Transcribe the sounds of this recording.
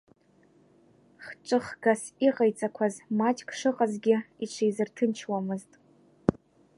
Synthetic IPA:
χʈ͡ʂʼɨχɡ̥asiqʼajt͡sʼakʷʰazmat͡ʃʰʼkʰʂɨqʼazɡʲɪiʈ͡ʂʷʰejzɨrtʰɨnt͡ʃʰwamɨztʼ

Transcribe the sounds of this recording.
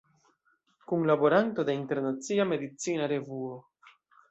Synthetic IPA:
kunlabo̞ɾanto̞deinte̞ɾnat͡siame̞d̪it͡sinaɾe̞vuo

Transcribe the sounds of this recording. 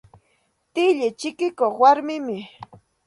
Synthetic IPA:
t̪ɪʎɪt͡ʃɪkɪkoχwaɾmɪmɪ

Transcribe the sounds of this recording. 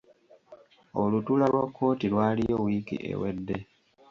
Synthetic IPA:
olutulalwakʰːo̞ːtilwaːlijowikḭʔḛwedːe̞

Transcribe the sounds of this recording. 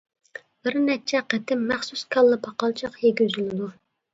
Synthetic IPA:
b̥ɪɾnɛt͡ʃʰɛqʰət̪ʰɪmːæχsuskʰɑlˠːɨpʰɑqɑlˠt͡ʃʰɑqjeɡʲyzylɪd̪u

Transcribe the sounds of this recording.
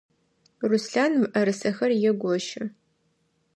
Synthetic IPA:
rusɬaːnmɨʔɐɾɨsɐxɐrjɛɡʷɔʃɐ

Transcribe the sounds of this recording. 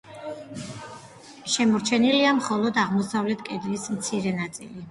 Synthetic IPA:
ʃɛmɔɾt͡ʃʰɛniliamχɔlˠɔd̪aʁmɔsavlɛt̪ʰkʼɛd̪ɾismt̪sʰiɾɛnat̪sʼḭli

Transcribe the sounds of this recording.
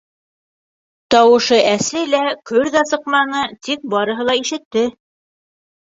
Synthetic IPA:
t̪ɑwɤ̆ʃɤʔæslɘjlækɵɾðæsɤ̆qmɑnɤt̪ik̚bɑɾɤ̆ɦɤlˠɑiʃɘ̆t̪ːɘ

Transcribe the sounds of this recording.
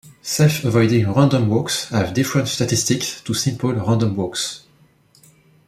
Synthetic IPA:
sɛlfəvɔjdɪ̃ŋɹãndɔ̃mwɔkshavd̪ifɹə̃ntstat̪ist̪ikstusɪ̃mpəlɹãnd̪ɔ̃mwɔks

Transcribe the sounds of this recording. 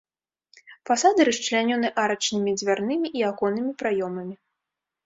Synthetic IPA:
fasad̪ɨɾɐʂt͡ʂlʲanʲɔnɨʔaɾɐt͡ʂnɨmʲid͡zʲvʲarnɨmʲiʔiakɔnɨmʲipɾajɔmɐmʲi

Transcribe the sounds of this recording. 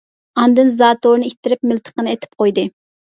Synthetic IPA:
ɑnd̪ɨnzɑːt̪oɾnɨit̪ʰːɪɾɪpmɪlt̪ʰə̥qənɨɛt̪ʰɪ̥p̚qʰojd̪ɨ

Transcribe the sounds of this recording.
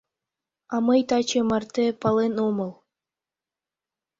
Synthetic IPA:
ɑmɤjt̪ɑt͡ɕemɑrt̪ʲĕpɑlˠenomɤ̆lˠ

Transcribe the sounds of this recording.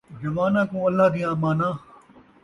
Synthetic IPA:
zɐʋaːnãːkõːɐlːaːɦd̪iːaːmaːnãː

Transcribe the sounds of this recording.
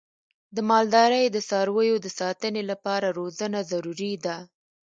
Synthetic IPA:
d̪əmɑld̪ɑɾəjd̪əsɑɾwəjod̪əsɑt̪ənelapɑɾaɾozənazaɾuɾid̪a

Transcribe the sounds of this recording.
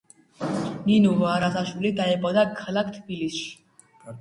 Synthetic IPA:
ninuvaːɾasaʃwilid̪aɛpʼɔd̪akʰːalak̚ʰt̪ʰbilisʃ

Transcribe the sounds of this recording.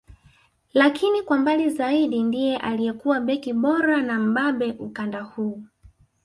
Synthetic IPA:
lakʰinikwambalizaiɗindijɛʔalijɛkuwaɓɛkiɓɔɾanam̩ɓaɓɛʔukandahuː

